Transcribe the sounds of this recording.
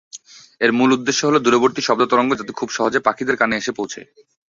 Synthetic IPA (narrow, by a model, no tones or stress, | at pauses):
eɾmulud̪ːeʃːoɦolod̪uɾoboɾt̪iʃɔb̚d̪ot̪ɔɾoŋɡod͡ʑat̪ekʰubʃɔɦod͡ʑepakʰid̪eɾkaneeʃepowt͡ɕʰḛ